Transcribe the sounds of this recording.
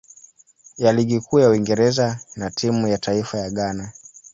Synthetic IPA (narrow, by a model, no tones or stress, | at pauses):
jaliɠikʰuːjauwiŋɡɛɾɛzanatʰimujatʰaifajaɠana